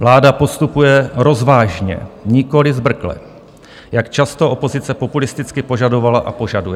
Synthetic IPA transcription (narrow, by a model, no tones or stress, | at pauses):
vlaːdapo̞st̪upujɛɾo̞zvaːʒɲɛ̰ɲɪko̞lɪzbr̩klɛ̰ | jakt͡ʃast̪o̞ʔo̞po̞zɪt͡sɛpo̞pulɪst̪ɪt͡skɪpo̞ʒado̞valaʔa̰po̞ʒadujɛ